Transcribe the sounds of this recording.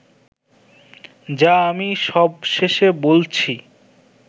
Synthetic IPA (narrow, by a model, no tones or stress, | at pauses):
d͡ʑaamiʃɔbʃeʃebolt͡ɕʰi